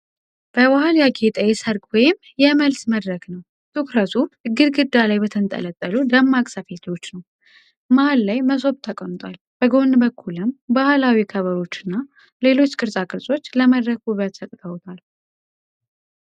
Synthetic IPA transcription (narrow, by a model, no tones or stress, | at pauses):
b̥əwahaljaɡet̪ʼəjɛsəɾkʼwɔjɪm | jɛməlsməd̪ɾəɡnəw | t̪ʰukɾət̪ʰuɨɡːɨɾɡɨd̪ːalajbət̪ʰɨnt̪ʼə̰lət̪ʼːəlud̪əmːakʼsəfe̞t̪ʰo̞t͡ʃːnəw | mahalːajməso̞βt̪ʰːəkʼont̪ʼwal | b̥əɡo̞nbəkʰːulɨmbahalawikʰəβəɾo̞t͡ʃːɨnːa | le̞lo̞t͡ʃːkʼɨɾsʼakʼɨɾsʼo̞t͡ʃːləməd̪ɾək̚ɡuβat̪sət̪ʼt̪ʰʼəwt̪ʰal